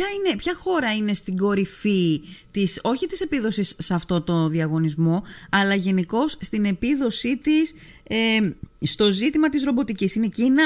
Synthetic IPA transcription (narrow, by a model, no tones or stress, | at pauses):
ɐine̞pçɐxo̞ɾɐine̞st̪iɡo̞ɾifit̪iso̞çit̪i̥se̞piðo̞sisːɐft̪o̞t̪o̞ðiɐɣo̞nizmo̞ɐlɐʝe̞niko̞sst̪ine̞piðo̞sit̪is | eːt̪o̞zit̪imɐt̪izɾo̞bo̞t̪icisine̞cinɐ